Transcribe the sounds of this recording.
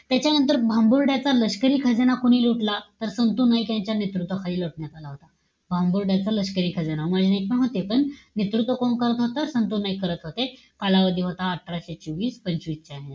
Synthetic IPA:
t̪jat͡ɕjanənt̪̬əɾbʱambuɾɖjat͡saləɕkəɾiːkʰəd͡zənakoɽ̃iːluʈlat̪əɾsənt̪unaikjãɲt͡ɕjanit̪ɾut̪ʋəkʰaliːloʈɳjat̪alaɦot̪a | bʱambuɾɖjat͡saləɕkəɾiːkʰəd͡zənamad͡ʑʱinek̚pəɳɦot̪epəɳnit̪ɾut̪ʋəkoɳkəɾət̪ɦot̪aɾsənt̪uːnːaikəɾət̪ɦot̪e | kalaʋəd̪ʱiːɦot̪aːʈʰːɾaɕet͡ɕoʋiːspəɲt͡ɕuitːɕajna

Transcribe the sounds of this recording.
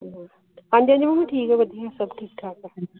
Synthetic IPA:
ãːɲd͡ʑãɲd͡ʑmãmĩʈʰiːkɛʋɐd̪ʱiasɐbʈʰiːk̚ʈʰaːka

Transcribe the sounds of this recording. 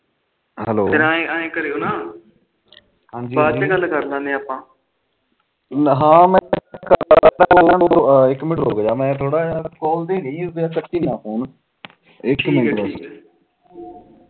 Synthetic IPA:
ɦəloːeɾãːẽãːẽːkəɾeːoːnaː | hãːɲd͡ʒibaːt͡ʃːɡəlːkəɾlãːnd̪eːaːpːãː | ɦãːmɛ̃ːkəəɾd̪aːãːɪkːmɪʈɦoːɡeːjaːmɛ̃ːt̪ʰoːɽaːakɔːld̪eːɡəiːbaːkəʈːiːnãːfoːn | ɪkmɪəs

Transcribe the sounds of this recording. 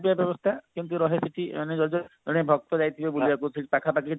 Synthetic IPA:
piabjɔbɔst̪ʰakint̪uɾɔɦesiʈḭmaned͡ʒɔɾd͡ʒɔɔɽ̃ebʱɔk̚t̪ɔd͡ʒajt̪ʰibebuliakusiʈ̚pakʰapaki

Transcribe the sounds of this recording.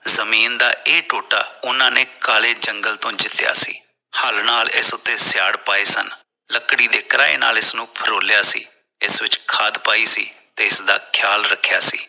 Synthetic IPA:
zəmiːnd̪a̰ːʔeːʈoːʈa̰ːʊnãːneːkaːleːd͡ʒəŋɡəlt̪õːd͡ʒɪt̪ɪja̰ːsḭː | həlnaːlɪsʊt̪ːeːsjaːɽpaːeːsən | ləkɽiːd̪eːkəɾaːḛːna̰ːlɪsnũːpʰəɾoːlɪjaːsḭː | ɪsʋɪt͡ʃkʰaːd̪paːiːsiːt̪eːɪsd̪a̰ːkʰjaːlɾəkʰːjaːsḭː

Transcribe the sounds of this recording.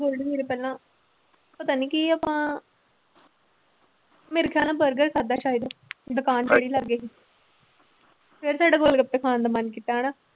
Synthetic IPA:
ɡolɖeːɾepɛːlãː | pət̪aːniːkiapãː | meːɾeːkʰjaːlãːbəɾɡəɾkʰaːd̪aːʃaːɦid̪od̪ʊkaːnt͡ʃeːɽiːləɡeːi | pʰɪɾsaːɖaːɡolɡəpːeːkʰaːnd̪aːmənkit̪ːaːɛːɽaː

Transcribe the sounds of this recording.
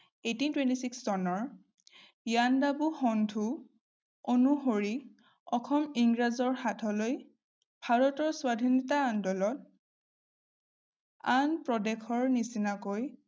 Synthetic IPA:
etintwentisikszɔnɔɹ | jandabuxɔndʱu | onuɦoɹi | ɔkʰɔmiŋɡɹazɔɹhatʰɔloj | bʱaɹɔtɔɹswadʱinɔtaːndɔlɔt̚ | anpɹɔdɛkʰɔɹnisinakoj

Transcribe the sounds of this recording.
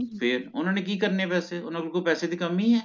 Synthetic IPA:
fʰɪɾʊ̰nɦõːnek̬ikɐɾnepɛːseʊnɪlkopɛːsed̪ʱikɐmiɦɛː

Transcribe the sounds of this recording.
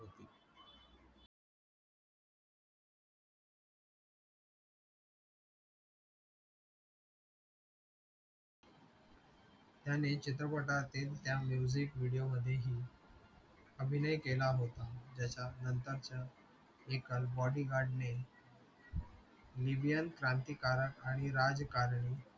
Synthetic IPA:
ɦot̪iː | t̪janet͡ɕit̪ɾəpəʈat̪et̪t̪jamjud͡ʑikʋiɽijoməd̪ʱːjeɦiː | əbʱinəjkelaɦot̪ad͡ʑat͡ɕanənt̪əɾt͡ɕja | ekəlbɔɽiɡaɖne | libijənkɾãnt̪iːkaɾaɽ̃iɾad͡zkaɾɳi

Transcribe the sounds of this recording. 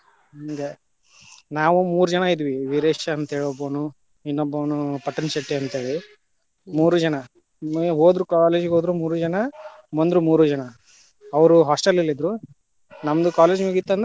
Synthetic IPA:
iŋɡe | naːʋumuːɾud͡ʒɐnɐid̪ʋiʋiɾeːʃɐːnt̪ɐɦeːɭɔboːnu | inːɔbːoːnupɐʈːɐnʃeʈːeɐnt̪eːɭi | muːɾud͡ʒɐnɐ | mɦoːd̪ɾukaːleːd͡ʒɡɦoːd̪ɾumuːɾud͡ʒɐnɐ | mond̪ɾumuːɾud͡ʒɐnɐ | ɐʋɐɾuɦaːsʈɐlːilːid̪ɾu | nɐmd̪ukaːled͡ʒmuɡit̪ːɐnd̪

